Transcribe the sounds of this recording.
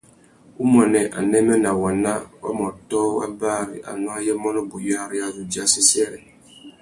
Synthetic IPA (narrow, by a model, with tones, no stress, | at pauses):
u˦mɔ˨nɛ˨ʔa̰˨nɛ˦mɛ˦na˨wa˨na˦wa̰˦mɔ˨tɔ˦wa̰˦baː˦ɾḭ˨ʔa̰˨nɔ˦a˦jɛ˦mɔ˦nɔ˦bu˨ja˦ɾi˦a˦zu˨d͡ʒi˨˦a˦si˦sɛ˦ɾɛ˨